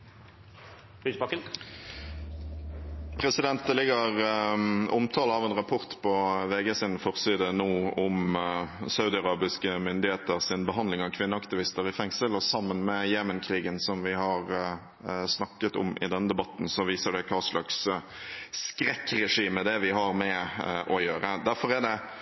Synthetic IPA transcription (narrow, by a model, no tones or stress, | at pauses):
ysbɑkən | pʰɾɛsɪd̪ɛnt̪əlɪɡəʁ | ʊmt̪ʰɑːləɑʋɛnʁɑpʰʊʁt̪pʰɔʋeːɡɛsɪnfɔʁsiːd̪ənoːʊm | sɑʉd̪ɪɑʁɑːbɪskəmʏnd̪ɪheːt̪əɾsɪnbəɦɑnd̪lɪŋɑʋkʰʋɪnːəɑkt̪ɪʋɪst̪əɾɪfɛŋsəlɔsɑmːənmɛjeːmənkʰɾiːɡənsɔmʋɪhɑɾ | snɑkːət̪ʊ̰mʔɪ̰d̪ɛnːəd̪ɛbɑt̪ːnsɔʋiːsəɖɛkʰɑːʂɭɑks | kɾɛkːɾɛʂiːməd̪ɛʋɪɦɑɾmɛʔɔjøːɾəd̪æɾfɔʁæd̪ɛ